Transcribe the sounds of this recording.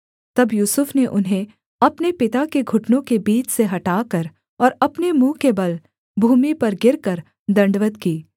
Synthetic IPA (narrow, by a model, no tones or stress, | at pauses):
t̪ɐbjuːsʊfneʔʊnɦẽ | ɐpnepɪt̪akeɡʱʊʈnõkebiːt͡ʃseɦɐʈaːkɐɾ | ɔːɾɐpnemũːkebɐl | bʱuːmipɐɾɡɪɾkɐɾ | d̪ɐ̃ɳɖʋət̪kiː